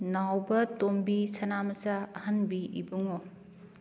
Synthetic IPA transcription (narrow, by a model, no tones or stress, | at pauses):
nawbɐtombisɐnamɐsaɐhɐnbiʔḭbuŋo